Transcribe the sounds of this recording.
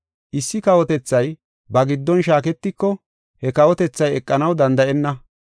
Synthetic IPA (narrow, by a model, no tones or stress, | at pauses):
ʔɪsːɪkɐwɔt̪ɛt͡sːɐj | bɐɡɪd̪ːɔnʃaːk̬ɛt̪ːɪkːɔ | hɛkɐwɔt̪ɛt͡sːɐjɛkʼːɐnɐwd̪ɐnd̪ɐʔɛnːɐ